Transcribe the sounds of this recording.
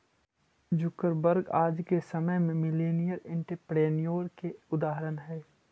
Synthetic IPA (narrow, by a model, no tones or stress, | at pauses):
d͡ʒʊkəɾbəɾɡaːd͡ʒkesəməɦmẽmɪleːnijəɾɪ̃ɳʈəɾpɾeːnijoːɾkeʊd̪aːɦəɾənɦɛː